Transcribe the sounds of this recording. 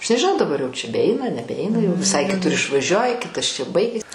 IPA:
ɐʃ nʲɛʒʲɪˈnɐʊ dɐˈbɐr jɛʊ t͡ʃʲɛ bʲɛˈɛɪnɐ nʲɛbʲɛˈɛɪnɐ jɛʊ ʋʲɪˈsɐɪ kʲɪˈtʊr ɪʃʋɐˈʒʲuɔjɪ ˈkʲɪtɐs t͡ʃʲɛ ˈbɐɪɡʲɪs

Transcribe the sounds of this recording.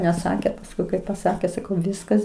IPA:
nʲɛˈsɑːkʲeː pɐsˈkʊɪ kɐɪ pɐˈsɑːkʲeː sɐˈkɐʊ ˈʋʲɪskɐs

